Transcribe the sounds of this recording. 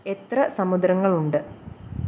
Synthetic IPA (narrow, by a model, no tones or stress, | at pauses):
et̪rɐsɐmud̪ɾɐŋːɐɭuɳɖɨ